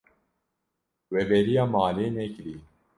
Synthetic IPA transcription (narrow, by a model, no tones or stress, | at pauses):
wɛvɛɾijaːmaːleːnɛkɾiː